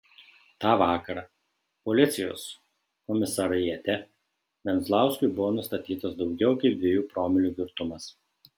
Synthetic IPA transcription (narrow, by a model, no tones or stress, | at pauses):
t̪ɑːʋɑːkɐɾɑ | pɔlʲɪt̪sʲɪjo̰ːs | kɔmʲɪsɐɾɐjɛt̪ʲɛ | ʋʲɛnzlˠɑˑʊsʲkʲʊɪbʊʋoːnʊst̪ɐt̪ʲiːt̪ɐsd̪ɒʊɡʲɛʊkɐɪp̚d̪ʋʲejuːpɾoːmʲɪlʲuːɡʲɪɾt̪ʊmɐs